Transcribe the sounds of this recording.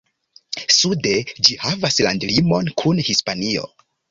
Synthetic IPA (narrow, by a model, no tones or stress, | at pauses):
sude̞d͡ʒihavaslandlimo̞nkʰunhispanio̞̰